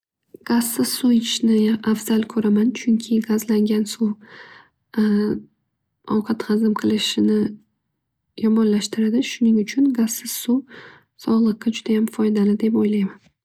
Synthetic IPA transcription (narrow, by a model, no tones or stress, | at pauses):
ɡ̥azːɪz̥suɪt͡ʃnɪafz̥alˠkʰɵɾamant͡ʃʰʊŋkʲʰɪɡazlaŋɡʲansu | ɒwqʰɑt̪ʁɑzɪmqʰɨlˠɪʃɪnɪ | jɒmɒnlaʃt̪ɪɾad̪ɪʃʊnɪŋʊt͡ʃʰʊnɡaz̥sɪz̥su | sɒʁlˠɨqːɑd͡ʒʊd̪ajamfɒjd̪alɪd̪e̞pojlajman